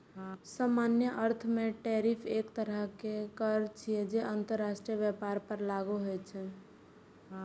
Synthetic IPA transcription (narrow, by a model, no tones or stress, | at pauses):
samanjəʔəɾt̪ʰmeʈɛɾipʰeːkt̪əɾəɦkekəɾt͡ʃʰiɛd͡ʒeʔənt̪əɾːasʈɾijəʋjəpaɾpəɾlaɡuɦojt͡ʃʰɛ